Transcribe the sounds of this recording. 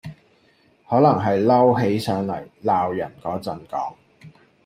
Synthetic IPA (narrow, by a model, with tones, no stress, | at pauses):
hɔː˨˥lɐ˨˩ŋɦɐ˨jlɐ˥wɦe˨˥jsœː˨˥ŋlɐ̰˨˩jlaː˨wjɐ˨˩nkɔː˨˥t͡sɐ˨nkɔː˨˥ŋ